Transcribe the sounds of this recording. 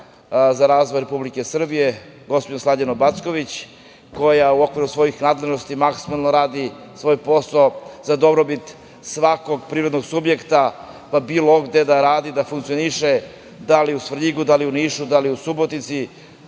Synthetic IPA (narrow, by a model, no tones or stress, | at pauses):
zaɾaːzʋojɾe̞publike̞sr̩bije̞ɡo̞spod͡ʑeslˠaʎanobat̪sko̞ʋit͡ɕ | ko̞jauo̞kviɾusʋo̞jixnaːd̪le̞ʒnost̪imaksimalˠnoɾaːd̪i | sʋo̞jpo̞saozad̪o̞bɾobit̪ | sʋako̞ɡpɾivɾed̪noɡsubje̞kt̪a | pabilˠoɡd̪e̞d̪aɾaːd̪id̪afuŋkt̪sioniʃe | d̪aliusʋriɡud̪aliuniːʃud̪aliusubot̪nit̪si